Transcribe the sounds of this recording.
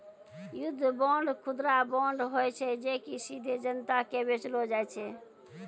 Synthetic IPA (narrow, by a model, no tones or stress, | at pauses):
jud̪ʱːbɔɳɖkʰud̪ɾabɔɳɖɦojt͡ʃʰɛd͡ʒekisid̪ʱed͡ʒənt̪akebet͡ʃlod͡ʒajt͡ʃʰɛ